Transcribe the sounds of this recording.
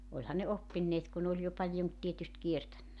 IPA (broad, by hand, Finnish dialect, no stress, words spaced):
olʲhɑ ne opːinːeːt ku n oːlʲ jo pɑljon tietyst kietænːæ